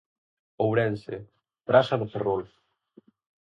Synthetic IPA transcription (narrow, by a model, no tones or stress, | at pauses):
owɾɛnsɪ | pɾasaðʊferol